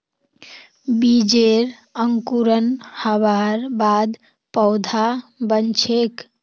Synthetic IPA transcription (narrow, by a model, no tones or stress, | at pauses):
bid͡ʒeɾ | əŋkuɾənhəbaɾbad̪ | pəʊd̪ʱabənt͡ʃʰek